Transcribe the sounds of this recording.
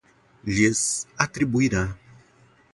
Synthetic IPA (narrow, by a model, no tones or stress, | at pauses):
ʒesat̪ɾibuiɾa